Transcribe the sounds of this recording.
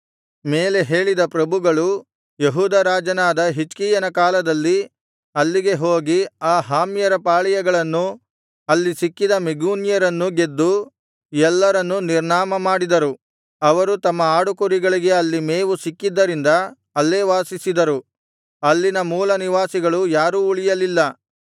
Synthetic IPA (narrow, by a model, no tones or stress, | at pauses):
me̞ːle̞ɦe̞ːɭid̪ɐpɾɐbuɡɐɭu | jeɦuːd̪ɐɾaːd͡ʒɐnaːd̪ɐɦit͡ʃkiːjɐnɐkaːlɐd̪ɐlːi | ɐlːiɡe̞ɦo̞ːɡiaːɦaːmjɐɾɐpaːɭijɐɡɐɭɐnːu | ɐlːisikːid̪ɐmeɡuːnijɐɾɐnːuɡe̞d̪ːu | iɛlːɐɾɐnːuniɾɳaːmɐmaːɽid̪ɐɾu | ɐʋɐɾut̪ɐmːɐaːɽukuɾiɡɐɭiɡe̞ɐlːimeːʋusikːid̪ːɐɾind̪ɐ | ɐlːeːʋaːsisid̪ɐɾu | ɐlːinɐmuːlɐniʋaːsiɡɐɭujaːɾuːuɭijɐlilːɐ